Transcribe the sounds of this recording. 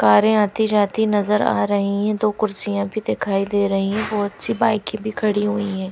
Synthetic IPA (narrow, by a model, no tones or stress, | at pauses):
kaːɾẽaːt̪id͡ʒaːt̪inɐzəɾa̰ːɾɐɦiɦɛ̃d̪oːkʊɾsijãbʱid̪ekʰaːid̪eːɾɐɦiɦɛ̃bɔːt̪ʃʰibaːɪkːĩbʱikʰɐɽiɦʊiɦɛ̃ː